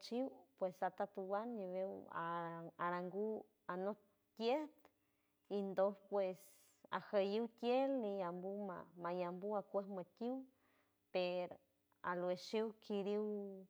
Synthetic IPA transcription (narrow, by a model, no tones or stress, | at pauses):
t͡ʃiwpwesat̪at̪uwanɲiwewa̰aɾaŋɡu | ano | t̪jeht̪ | ind̪ohpwes | a̰xajiwt̪jelnijambuma̰majambuakʷehmat̪ʲiw | peɾo | a̰lweʃiwkʰiɾiw